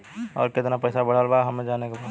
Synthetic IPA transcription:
ɔ̰ːɾkɪt̪napɛɪsabəɽ̤aːlbaɦɐmẽd͡ʒaːnekapa

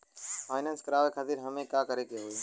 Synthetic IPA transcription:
faːɪnanskɾaːʋekʰat̪iɾɦəmẽːkaːkəɾekeɦoiː

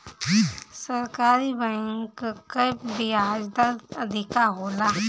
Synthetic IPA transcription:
səɾkaːɾibɛ̃ŋkkəbɪaːd͡ʒd̪aəd̪ʱɪkaɦoːlaː

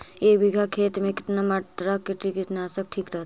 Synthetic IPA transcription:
eːkbiɡʱakʰeːt̪mẽkɪt̪namat̪ɾakːiʈɾikɪt̪naːsɐk̚ʈʰiːkɾɐɦt̪

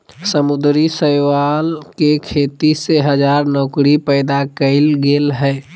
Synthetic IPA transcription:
səmʊd̪ɾisəjʋalkekʰeːt̪iseɦəd͡ʒaːɾnɔːkɾipəɪd̪akəɪlɡelɦɛ

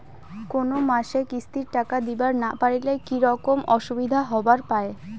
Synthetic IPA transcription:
konomaʃekist̪iɾʈakad̪ibaɾna̰paɾilekiɾɔkomʔɔʃubid̪ʱaɦɔbaɾpae

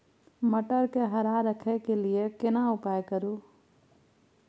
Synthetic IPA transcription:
məʈəɾkeɦɐɾaɾəkʰekeliekɪnaʊpaːjkəɾuː

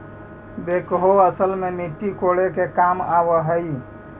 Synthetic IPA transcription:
bekɦoəsəlmemiʈːikoɽekekamaβəɦəj

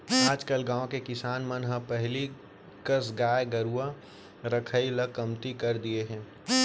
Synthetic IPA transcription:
aːd͡ʒkəlɡãːõkekɪsaːnmənɦəpɛɦli | kəsɡaːeɡəɾua | ɾəkʰəiləkːɐmt̪ikɐɾd̪ieɦɛ̃ː

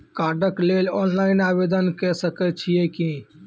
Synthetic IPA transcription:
kaɾɖəklelɔnlainabed̪ənkɛsəkɛt͡ʃʰijeki

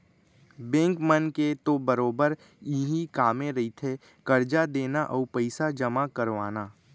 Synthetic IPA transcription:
bɛ̃ːŋkmənket̪obəɾoːbəɾ | iɦikaːmẽɾɐit̪ʰe | kəɾd͡ʒad̪eːnaʔɔːɾpəɪsad͡ʒəmakəɾʋaːnaː

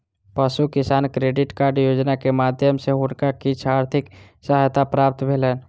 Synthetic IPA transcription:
pəʃukɪsaːnkɾeːɖɪʈkaːɾɖjoːd͡ʒnakemaːd̪ʱjəmseʊnkakit͡ʃʰaːɾt̪ʰɪk | səɦjt̪apɾaːp̚t̪bʱeːləːn

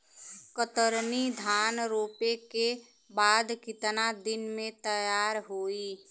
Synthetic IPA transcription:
kət̪əɾnid̪ʱaːnɾoːpeke | baːd̪kɪt̪nad̪ɪnmẽt̪əjaːɾɦoːi

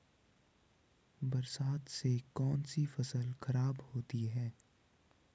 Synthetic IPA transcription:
bɐɾsaːt̪sekɔːnsifɐsəlxɐɾaːbhoːt̪iɦɛː

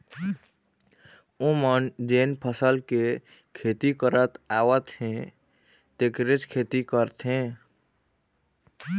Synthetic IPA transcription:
õmənd͡ʒenpʰəsəlke | kʰet̪ikəɾət̪aːwət̪ɦẽ | t̪ekɾet͡ʃkʰet̪ikəɾt̪ɦẽ

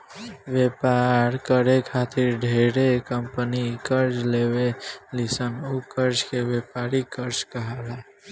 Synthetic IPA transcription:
ʋjepaɾkəɾekʰaːt̪ɪɾɖʱeːɾekəmpənikəɾd͡ʒlewelisənukəɾd͡ʒkeʋjepaːɾikəɾt͡ʃkəɦala

